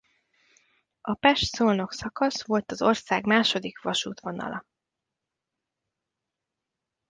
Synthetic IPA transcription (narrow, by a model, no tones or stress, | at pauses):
ʔɒpɛʃt̪soːlno̞ksɒkɒsʋo̞lt̪ɒzo̞rsaːɡmaːʃo̞d̪ikʋɒʃṵːt̪ʋo̞nɒ̰lʔɒ